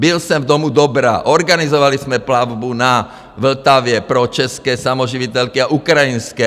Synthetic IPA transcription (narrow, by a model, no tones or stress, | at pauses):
bilsɛmvd̪ɔmud̪ɔbɾa̰ːʔɔɾɡanizɔʋalizmɛplavbuna | ʋl̩t̪aʋɪɛpɾɔt͡ʃɛskɛːsamɔʒiʋit̪ɛʎkiaʔukɾajinskɛ